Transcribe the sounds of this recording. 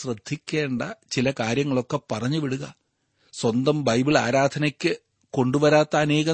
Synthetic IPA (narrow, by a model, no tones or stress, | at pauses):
rɨd̪ʱːikʲːe̞ːɳɖɐt͡ɕilɐkaːɾjɐŋːɐɭo̞kːepɐrɐɲːɨʋiɽuɣɐ | swɐnd̪ɐmbɐjbiɭa̰ːɾaːd̪ʰʱɐnɐkʲːɨ | ko̞ɳɖuʋɐɾaːt̪ːɐːne̞ːɣɐ